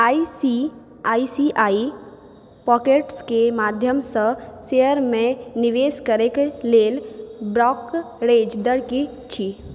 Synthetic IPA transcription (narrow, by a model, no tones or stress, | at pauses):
aːisi | aːisiʔaːi | pɔːkeʈskemaːd̪ʱjəmsə̃sejəɾmẽniʋeːskəɾekleːlbɾɔːk | ɾeːd͡ʒd̪əɾki | t͡ʃʰi